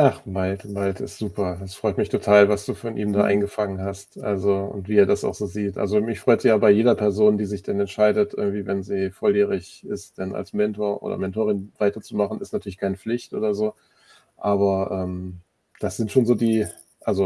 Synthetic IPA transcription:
ʔaχmaltmaltʰɪ̰stz̥uːpɐd̥asfʁ̥ɔʏtmɪçtʰotʰaːlvasd̥uːfɔnʔiːmdaːʔa̰ɪnɡəfaŋənɦastʔa̰lzoʊ̰ntv̥iːɛːɐdasa̰ʊxz̥oːziːtʔa̰lzomɪçfʁ̥ɔʏtz̥ijaːbaɪjeːdɐpʰɛɐzoːndiːzɪçd̥anɛntʃaɪdətʔɪɐɡŋ̩tv̥iːvɛnziːfɔljeːʁɪçʔɪst̚d̥ana̰lsmɛntoːɐʔo̰ːdɐ̰mɛntʰoːʁɪnv̥aɪtɐt͡sumaχn̩ɪstnatʰyːɐlɪçkʰaɪnəp͡flɪçtʔo̰ːdɐzoː | ʔaːβɐʔɛːm | d̥asz̥ɪntʃoːnzoːdiː | ʔalzo

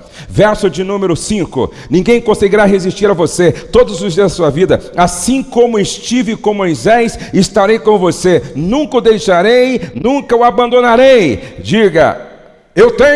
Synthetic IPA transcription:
vɛɾsʊd͡ʒɪnũmeɾʊsĩkʊ̰ | nĩɡẽj̃kõseɡiɾaɦezist͡ʃiɾavoset̪od̪ʊzʊzd͡ʒiɐzd̪ɐsuɐvid̪ɐasĩkõmʊɪst͡ʃivɪkõmʊojzɛjsɪst̪aɾejkõvosenũŋkɐʊd̪ejʃaɾejnũkɐʊabɐ̃nd̪onaɾejd͡ʒiɡɐ̰ | ewt̪ẽ

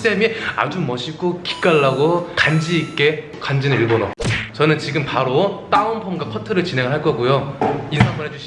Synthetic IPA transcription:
s͈ʰe̞mia̰d͡ʑumʌɕʰiɡoki̥k͈aɭːaɡokand͡ʑiːk͈e̞ | kand͡ʑinɯiɭbono̰t͡ɕʌnɯnt͡ɕiɡɯmpaɾot͈aunpʰoŋɡapʰʌtʰɯɾɯɭt͡ɕine̞ŋɯɭɦaɭk͈ʌɡujoinsʰaŋmɯɭɦed͡ʑuɕʰi

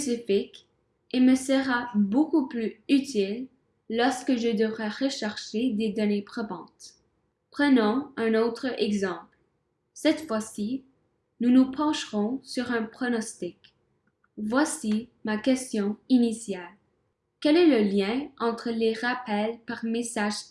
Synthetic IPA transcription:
sifik | eməsəʁabokuplyyt̪ilː | ɔʁskəʒəd̪əvʁɛʁəʃaʁʃed̪ed̪ɔnepχɔvɑ̰̃t̪ | pχənɑ̃ɛ̃not̪χəɛɡzɑ̃ːpl | sɛt̪fwasi | nunupʰɑ̃ʃʁɔ̃syʁɛ̃pχɔnɔst̪ik | vwasimakɛst̪jɔ̃inisjal | kɛlɛləljɛ̃ɑ̃t̪χəleʁapɛlpaʁmesaʒ

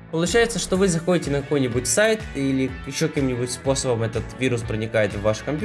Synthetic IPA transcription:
pəlˠʊt͡ɕæjɪt̪səʂt̪ovɨzɐxo̞dʲɪtʲɪnəkɐko̞jnʲɪbʊtʲsajt̪ilʲɪjɪɕːokɐkʲimnʲɪbʊtʲspo̞səbəmɛt̪ət̪vʲiɾʊspɾənʲɪkajɪt̪vːaʂkɐmʲpʲ

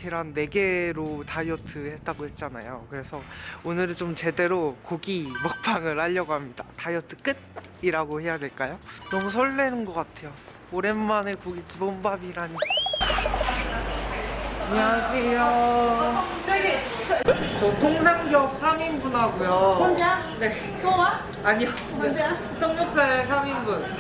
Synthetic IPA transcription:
iɾanːe̞ɡe̞ɾotajʌtʰɯhe̞t̚t͈aɡohe̞t̚t͡ɕ͈ana̰jo̰kɯɾe̞sʰʌonɯɾt͡ɕomt͡ɕe̞de̞ɾokoɡimok̚pʰaŋɯɭhaʎːʌɡoɦamɲidatajʌtʰɯ̥k͈ɯt̚ | iɾaɡohe̞jadwe̞ɭk͈ajonʌmus̬ʰoɭːe̞nɯnɡʌk͈atʰe̞jo | oɾe̞mːanekoɡit͡ɕibombabiɾaɲi | aɲiasʰejo | t͡ɕʌtʰoŋsʰaŋɡjʌk̚sʰamimbunɦaɡujoa | ne | owa | aɲijʌ | tʰʌŋɡʌk̚s͈asʰamimbun

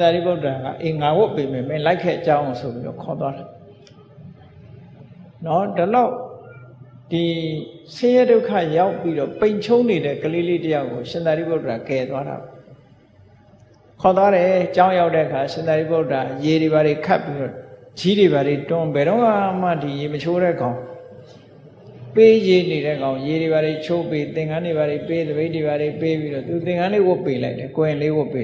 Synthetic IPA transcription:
ɪ̃nd̪aɾḭboʊtədaɡa̰ʔẽŋaɡʊpemɛmẽlaɪkʰːɛ̰ʔt͡ɕãʊ̃ʊ̃sʰopḭɾɔ̰kʰɔt̪waɾa | nɔdəlaʊ | d̥isɪ̃jɛdoʊkʰa̰jaʊpːiɾɔpẽɪ̃ɲt͡ɕʰoʊ̃neɾɛ̰kəleletəjaʊkːoʃɪ̃nd̪aɾipoʊtədakɛt̪waɾa̰bɔ | kʰɔt̪̬waɾɛt͡ɕãʊ̃jaʊtːɛ̰ʔəkʰaʃɪ̃nd̪aɾiboʊtajeɾeβaɾekʰa̰pːiɾɔ̰d͡ʑiɾeβaɾetʊ̃bɛɾõʊŋam̥a̰dijemət͡ɕʰoɾɛ̰ɡãʊ̃ | pejeneɾɛɡãʊ̃jeɾeβaɾet͡ɕʰopet̪ɪ̃ŋãneβaɾeped̪əbẽntdeβaɾepepiɾɔt̪ut̪ɪ̃ŋãnlewʊpːela̰ɪtɛkõɪ̃lewʊpːe

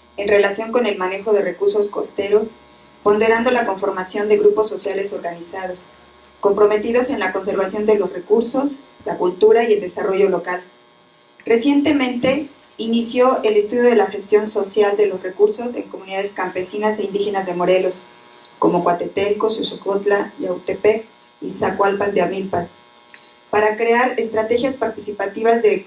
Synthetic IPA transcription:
e̞nre̞lasjo̞ŋko̞ne̞lmane̞xo̞ð̞e̞re̞kuɾso̞sko̞̰st̪e̞ɾo̞s | po̞nd̪e̞ɾand̪o̞lako̞ɱfo̞ɾmasjo̞nd̪eɣɾupo̞sːo̞sjale̞so̞ɾɣanisað̞o̞s | ko̞mpɾo̞me̞t̪iðo̞se̞nlako̞ns̬e̞ɾβasjo̞nd̪e̞lo̞sre̞kuɾso̞slakult̪uɾaie̞ld̪e̞saro̞ʝo̞lo̞kal | re̞sje̞nt̪e̞mẽnt̪e̞ | inisjo̞e̞le̞st̪uðjo̞ð̞e̞laxe̞st̪jo̞nso̞sjald̪e̞lo̞sre̞kuɾso̞se̞̰ŋko̞muniðað̞e̞skampe̞sinase̞ind̪ixe̞nazðe̞mo̞ɾe̞lo̞s | ko̞mo̞kwat̪e̞t̪eɾikosusukot̪lajawt̪epek | isakwalpand̪eamilpas | paɾakɾe̞aɾest̪ɾat̪e̞xjaspaɾt̪isipat̪iβ̞azðe̞

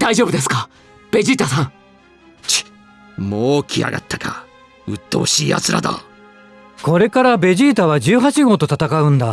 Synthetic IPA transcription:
d̪aiʑo̞ːbɯ̟d̪e̞s̬ɨ̥ka | b̥e̞ʑiːt̪asãŋ | t͡ɕi̥ | moːkʲʰia̰ɡa̰t̪ʰːḁka | ɯ̟t̪ːooɕiːa̰zɨɾad̪a̰ | ko̞ɾe̞kaɾabe̞ʑiːt̪aβ̞ad͡ʑɨːɦat͡ɕiɡo̞ːt̪o̞t̪at̪akaɯ̟̃nd̪a

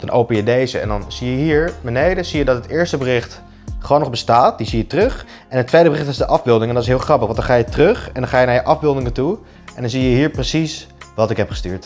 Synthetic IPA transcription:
d̥ɑnʔowpənjədejzə̰ɛ̰ndɑnz̥ijəɦiːɹbənejdəz̥ijədɑtɦətɪːɹstəbərɪχt | χəʋoːnɔχbəstaːt̚dizijətrɵχ | ɛnɦətːʋejdəbərɪχtɪzdəʔɑvbɪlˠdɪŋɛndɑtɪsɦɪːlˠχrɑpəχʋɑndɑnχaːjətrɵχɛndɑnχaːjənaːɹjəʔɑvbɪlˠdɪŋətu | ʔɛndɑnzijəɦiːɹprəsisʋɑtɪkɦɛpχə̥sty̰ːɹt

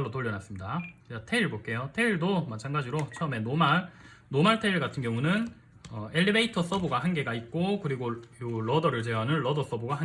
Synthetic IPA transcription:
ɭːotoʎːjʌnas͈ɯmɲidat͡ɕatʰe̞iɭɡok͈e̞jotʰe̞iɭdomat͡ɕʰanɡad͡ʑiɾot͡ɕʰʌɯme̞noma | nomaɭtʰe̞iɭɡatʰɯnɡjʌŋunɯn | ʌe̞ʎːibeitʰʌs͈ʌboɡahanɡe̞ɡait̚k͈okɯɾiɡojoɭʌdʌɾɯɭt͡ɕeɦanɯnɭʌdʌs͈ʌboɡaɦa

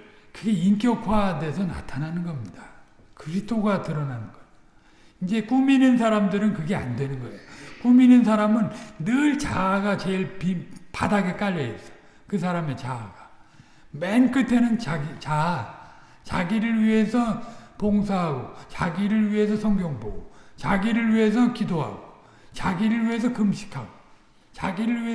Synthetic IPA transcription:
kɯɡe̞inkjʌkʰwadesʰʌna̰tʰananɯnɡʌmɲida | kɯɾistʰoɡatɯɾʌnanɯnɡʌ | ind͡ʑe̞k͈uminɯnsʰaɾamdɯɾɯnkɯɡe̞a̰ndwe̞nɯnɡʌe̞jok͈uminɯns̬ʰaɾamɯnːɯɭt͡ɕaɡat͡ɕe̞ɭpipa̰daɡe̞k͈aʎːʌes͈ʌ̥ | kɯs̬ʰaɾame̞t͡ɕaɡa | menk͈ɯtʰenɯnt͡ɕaɡit͡ɕa | t͡ɕa̰ɡiɾɯɭɥiɦe̞sʰʌpoŋsʰaɦaɡot͡ɕaɡiɾɯɭɥiɦe̞s̬ʰʌsʰʌŋɡjoŋbo̰ɡot͡ɕaɡiɾɯɭɥiɦe̞s̬ʰʌkidoɦa̰ɡo | t͡ɕaɡiɾɯɭɥiɦe̞s̬ʰʌkɯmɕʰi̥kʰaɡo | t͡ɕaɡiɾɯɭɥiɦe

